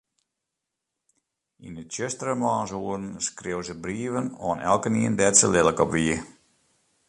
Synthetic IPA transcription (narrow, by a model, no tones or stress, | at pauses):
ḭnət͡ʃøstərəmlaːnsuːərn̩skrɪwzəbriəvənɔːnɛ̰lˠkəniəndɛtsəlɪlˠəkɔpʋiə